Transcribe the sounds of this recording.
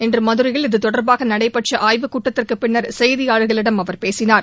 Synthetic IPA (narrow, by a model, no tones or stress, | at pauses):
ɛndrɯmɐðɯɾɪjɐɭɪðɯt̪ɔɽɐɾbaːɣɐnɐɽɐɪpɐʈʂɐʔaːjʋɯkuːʈːɐt̪ːɪrkɯpɪɳːɐɾsɛjðɪjaːɻɯɣɐɭɪɽɐmɐʋɐɾpeːsɪnaːɾ